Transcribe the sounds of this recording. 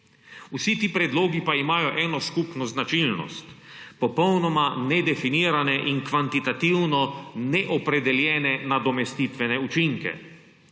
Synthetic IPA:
usit̪iːpɾɛd̪loːɡipaimaːjɔʔɛːnɔskupnɔznat͡ʃilnɔ̰st̪pɔpɔwnɔmanɛd̪ɛfiniːɾanɛʔiŋkʋant̪it̪at̪iwnɔnɛʔɔpɾɛd̪ɛljɛːnɛnad̪ɔmɛst̪it̪ʋɛnɛut͡ʃiŋkɛ̰

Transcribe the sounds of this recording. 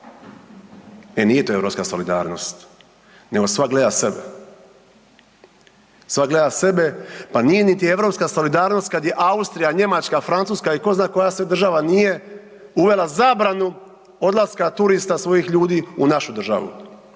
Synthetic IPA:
enije̞t̪oːeɾo̞pskaso̞lid̪a̰ːɾno̞̰st̪ | ne̞ɡo̞sʋaɡle̞d̪ase̞bḛ | sʋaɡle̞d̪ase̞be̞panije̞nit̪ieʋɾo̞pskaso̞lid̪aːɾno̞st̪̚kad̪je̞ʔaust̪ɾijaɲe̞mat͡ʃkafɾant̪suːskaiko̞znaːko̞jased̪ɾr̩ʒaʋanije̞ | uʋe̞lazaːbɾanu | o̞d̪lˠaskat̪uɾist̪asʋo̞jixʎuːd̪iːunaʃud̪r̩ʒa̰ʋṵ

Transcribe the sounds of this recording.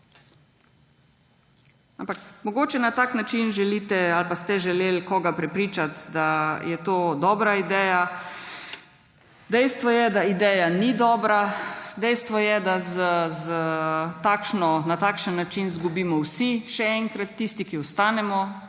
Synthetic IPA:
ampakmɔɡoːt͡ʃɛnat̪aːknat͡ʃinʒɛliːt̪ɛalpast̪ɛʒɛleːlkɔːɡapɾɛpɾiːt͡ʃat̪d̪ajɛt̪oːd̪ɔːbɾaid̪ɛːja | d̪ɛjst̪ʋɔjɛd̪aid̪ɛːjanid̪ɔːbɾad̪ɛjst̪ʋɔjɛd̪azəzət̪akʃnɔnat̪aːkʃənːat͡ʃinzɡubiːmɔwsiʃɛɛŋkɾat̪ːist̪ikiɔst̪aːnɛmɔ

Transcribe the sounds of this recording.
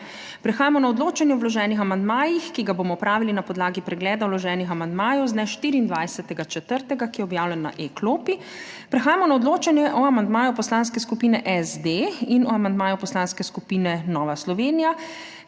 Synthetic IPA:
pɾɛxaːjamɔnaɔd̪loːt͡ʃanjɛɔwlɔʒɛːnixamand̪maːjixkiɡaboːmɔpɾaːʋilinapɔd̪laːɡipɾɛɡlɛːd̪awlɔʒɛːnixamand̪maːjɔwznɛʃt̪iːɾiːnd̪ʋajsɛt̪ɛɡat͡ʃɛt̪əɾt̪ɛɡakijɛɔbjaːwlʲɛnːa̰ʔekloːpi | pɾɛxaːjamɔnaɔd̪loːt͡ʃanjɛʔɔamand̪maːjupɔslaːnskɛskupiːnɛʔɛzd̪einɔamand̪maːjupɔslanskɛskupiːnɛnɔːʋaslɔʋeːnija

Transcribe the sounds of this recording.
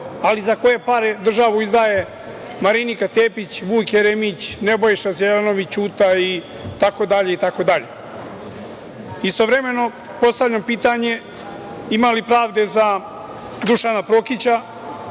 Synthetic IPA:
alizako̞je̞paɾed̪r̩ʒaʋuizd̪aːje | maɾinikat̪e̞ːpit͡ɕʋuːkjeɾemit͡ɕnebojiʃazjeleno̞ʋit͡ɕuːt̪ai | t̪ako̞d̪aʎe̞it̪ako̞d̪aʎḛ | ist̪o̞ʋɾe̞me̞no̞ | po̞st̪aʋʎampiːt̪aɲe̞ | imalipɾaːʋd̪e̞za | d̪uʃanapɾo̞kit͡ɕa

